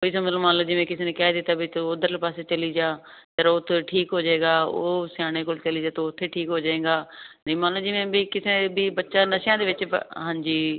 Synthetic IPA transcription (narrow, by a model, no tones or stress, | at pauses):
oːiːs̬ãːmət̪ləbmaːnləd͡ʒimẽːkɪsinekaːd̪ɪt̪aːbʱit̪ɐod̪əɾlpaːset͡ʃɐliːd͡ʒaː | t̪ɐɾoʊt̪ʰʈʰiːkɦoːd͡ʒaːeːɡaːo̰ːsjaːɽ̃ekoːlt͡ʃɐlid͡ʒaːt̪ːʊt̪ʰːeʈʰiːkɦoːd͡ʒaːẽːɡaːnimaːlod͡ʒimẽbikɪsebʱibətːʃãːnɐʃjãːd̪eːʋɪt͡ʃɦãːɲd͡ʒiː